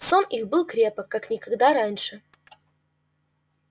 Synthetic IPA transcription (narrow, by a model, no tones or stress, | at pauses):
sonixbɨlˠkɾʲepəkːaknʲɪkɐɡd̪aɾanʲʂɨ